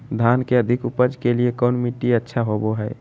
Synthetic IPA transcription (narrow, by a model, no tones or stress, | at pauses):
d̪ʱankeəd̪ʱikupəd͡ʒkeliekɔnmiʈiətːʃʰaɦoboɦɛ